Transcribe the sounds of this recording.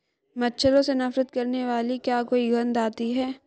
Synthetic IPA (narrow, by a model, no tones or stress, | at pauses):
mɐtːʃʰəɾõsenɐfɾət̪̚kɐɾneʋaːlikjaːkoːiɡɐnd̪aːt̪iɦɛː